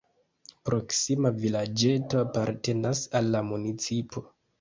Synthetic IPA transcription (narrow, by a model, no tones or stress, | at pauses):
pɾo̞ksimavilad͡ʒe̞to̞apaɾte̞nasalːamunit͡sipʰo̞